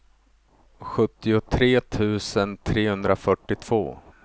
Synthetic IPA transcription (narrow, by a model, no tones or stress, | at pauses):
ɧɵt̪ːɪʊt̪ʰɾeːt̪ʰʉ̟ːsənt̪ʰɾeːhɵnd̪ɾafœʈːɪt̪ʰv̥o̰ː